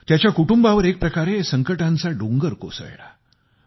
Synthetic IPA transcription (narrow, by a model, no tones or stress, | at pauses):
t̪jat͡ɕjakuʈumbaʋəɾek̚pɾəkaɾesəŋkəʈãnt͡saɖuŋɡəɾko̰sə̰ɭɭa